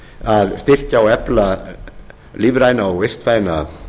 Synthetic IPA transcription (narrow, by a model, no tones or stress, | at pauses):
aðst̪ɪr̥caɔɛpla | liːvɾaːjnaɔɣest̪faːjna